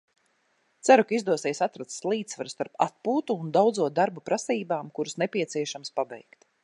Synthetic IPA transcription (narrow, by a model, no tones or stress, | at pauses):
t̪sæɾukaizd̪uɔsɛːjsat̪ɾat̪sslˠiːt̪svaɾust̪aɾpat̪̚puːt̪uːnd̪awd̪zuɔd̪aɾbupɾʔasiːbaːmkuɾusnɛpʲiɛt̪siɛʃamspabɛ̰jkt̪